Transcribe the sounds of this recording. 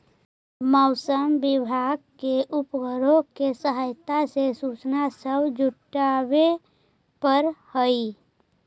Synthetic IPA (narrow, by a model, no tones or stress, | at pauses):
mɔʊsəmbɪbʱaɡ̚keʔupɡəɾõkesəɦəjt̪asesut͡ʃnasəbd͡ʒuʈabe | pəɾhəi